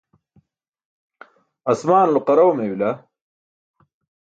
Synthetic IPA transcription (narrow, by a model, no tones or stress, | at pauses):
ɐsmaːnulqɐɾɐwmewilɐ